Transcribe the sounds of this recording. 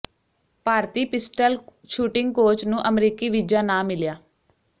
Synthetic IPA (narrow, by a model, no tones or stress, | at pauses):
paːɾt̪iːpɪsʈəl | ʃuːʈɪŋɡ̚koːt͡ʃnũːʔəmɾiːkiːʋɪd͡ʒaːnãːmɪljaː